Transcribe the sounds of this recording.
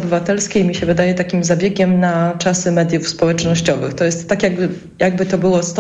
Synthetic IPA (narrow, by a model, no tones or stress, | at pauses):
bɘvat̪ɛlskʲejmʲiɕɛvɘd̪ajɛt̪akʲimzabʲjeɡʲɛmnat͡ʂasɘmɛd̪ʲjufspɔwɛt͡ʂnɔɕt͡ɕɔvɘ̰xt̪ɔjɛst̪ːakʲjaɡbɘ | jaɡ̚bɘt̪ɔbɘwɔst̪